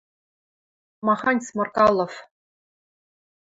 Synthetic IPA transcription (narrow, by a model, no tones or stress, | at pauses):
mɑχɑnʲsmɑ̆rkɑlˠːof